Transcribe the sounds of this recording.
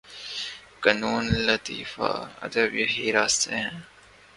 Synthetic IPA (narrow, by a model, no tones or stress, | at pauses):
kɐnuːnlət̪ḭːfa̰ːɐ̰d̪əbjəɦiːɾaːst̪eɦɛ̃ː